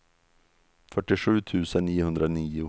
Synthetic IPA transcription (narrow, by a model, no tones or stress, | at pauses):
fœʈːɪɧʉ̟ːt̪ʰʉ̟ːsənːiːhɵnd̪ɾəaniːʊ